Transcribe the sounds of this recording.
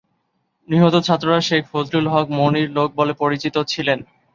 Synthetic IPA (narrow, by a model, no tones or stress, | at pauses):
niɦot̪ot͡ɕʰat̪ːɾoɾaʃekʰfod̪ɾulɦɔk̚moniɾlok̚bolepoɾit͡ɕit̪ot͡ɕʰilen